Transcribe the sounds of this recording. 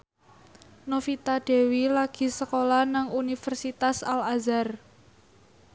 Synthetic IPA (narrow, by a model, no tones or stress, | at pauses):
nofit̪aɖ̥e̤wilaɡ̥i̤səkolanaŋunifərsit̪asalazar